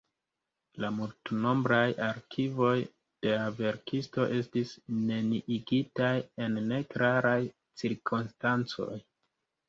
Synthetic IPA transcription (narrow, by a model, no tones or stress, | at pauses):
lamultno̞mbɾajaɾkʰivo̞j | d̥e̞lave̞ɾkʰisto̞ʔe̞stisne̞niʔiɡitaje̞nːe̞kɾaɾaj | t͡siɾkʰonstant͡so̞̰j